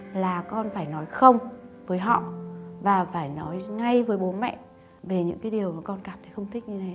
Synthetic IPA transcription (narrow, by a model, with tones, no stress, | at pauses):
laː˨˩kɔ˧nfaː˧˩jnɔ˨˦jxə˧wŋ͡mvəː˨˦jɦɔ̰˧˨vaː˨˩faː˧˩jnɔ˨˦jŋa˧jvəː˨˦jɓo˨˦mɛ̰˧˨ | ve˨˩ɲɨ̰˧˥ŋkaː˨˦jɗi˨˩əwmaː˨˩kɔ˧nkaː˧˩mt̪ʰxə˧wŋ͡mt̪ʰï˦˥k̟̚ɲɨ˧t̪ʰe˨˦